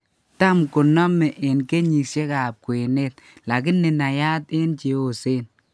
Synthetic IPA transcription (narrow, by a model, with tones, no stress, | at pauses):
ta˦mkʊ˨nɔ˦mɛ˨ʔɪ˨nke˦ɲi˨k̚ʃe˦ka˨p̚kwe˨ne˦t̪̚la˨k̬ɪ˦nːɪ˨na˨ja˦tɪ˦nt͡ʃi˨˦o˨se˦n